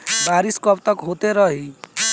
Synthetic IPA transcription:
baɾiskɔpt̪ɔkɦot̪eɾʌɦi

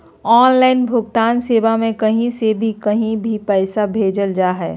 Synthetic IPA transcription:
ɔːnlaːɪnbʱʊɡ̚t̪aːnseːʋamẽkɐɦĩsebʱikɐɦĩbʱipɛɪsabʱeːd͡ʒəld͡ʒaːɦɛ̰ː

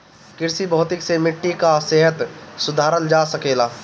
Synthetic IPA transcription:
kɪɾsibɔɦʊt̪ɪksemɪʈːikaseːɦət̪sʊd̪ʱaːɾənd͡ʒaːsɐkeːlaː

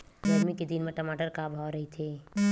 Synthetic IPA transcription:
lɔɾmiked̪inmẽʈɐmaːʈəɾkaːbʱaːɾɐɦit̪ʰeː

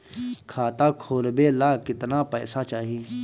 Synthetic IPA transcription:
kʰaːt̪aːkʰoːlbeːlaːkɪt̪napɛːsat͡ʃaːɦiː

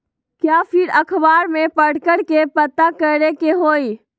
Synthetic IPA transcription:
kjaːpʰɪɾɐkʰbaːɾmẽpɐɽ̤kəɽkepɐt̪akɐɾekeɦoːiː

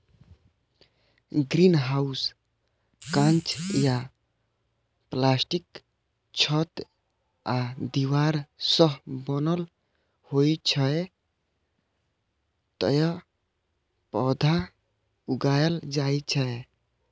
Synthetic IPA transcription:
ɡɾinɦaus | kãnt͡ʃja | plasʈik | t͡ʃʰət̪ | ad̪iwaɾsəɦbɔnəl | hojt͡ʃʰəe | t̪ə̰jə | pɔd̪ʱa | uɡajəld͡ʒajt͡ʃʰəe

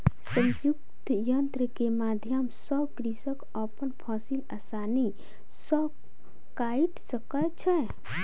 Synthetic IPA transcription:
sə̃jukt̪jənt̪ɾəkemad̪ʱjəmsəbkɾisək | əpənpʰɔsilasani | səb̚ | kaiʈsəkət͡ʃʰɛ

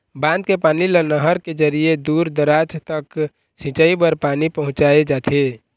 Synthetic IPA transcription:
bãnd̪kepaːnilənəɦəɾked͡ʒəɾied̪uɾd̪əɾad͡ʒt̪ək | sĩt͡ʃəibəɾpanipəɦʊ̃t͡ʃaed͡ʒat̪ʰe

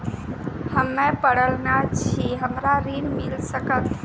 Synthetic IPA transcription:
həmːepəɽəlnat͡ʃʰiɦəmɾaɾinmilsəkət̪

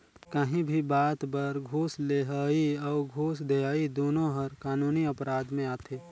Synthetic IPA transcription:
kəɦĩbʱibaːt̪bɐɾɡʱuːsleɦaːiɔːɾɡʱoːsd̪ejaːid̪oːnõɦɐɾkaːnuːniɐpɾaːd̪mẽaːt̪ʰeː

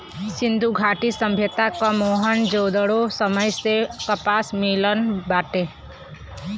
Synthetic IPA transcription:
sɪnd̪ʱuɡʱaːʈisə̃mbʱjət̪akamoːɦənd͡ʒoːd̪əɽosəməjsekəpaːsmilənbaːʈe

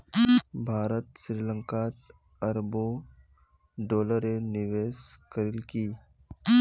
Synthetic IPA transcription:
bʱaːɾət̪sɾiːlə̃ŋkat̪ | əɾbo | ɖoːləɾenɪʋeːskəɾɪlkiː

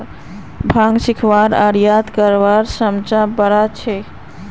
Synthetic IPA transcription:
bʱãŋɡsikʰʋaɾaɾijat̪kəɾʋaɾsəmt͡ʃãbəɾat͡ʃʰɛ

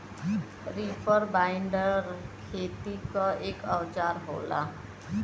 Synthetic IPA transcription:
ɾipʰəɾbaːɪɳɖəɾkʰeːt̪ikaeːkəwt͡ʃaːɾɦo̰ːla̰

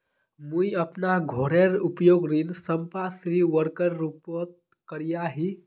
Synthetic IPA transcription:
mũjəpnaɡʱoɽeɾupjoːɡɾinsəmpasɾiʋəɾkəɾːuːpət̪̚ | kəɾijaɦi

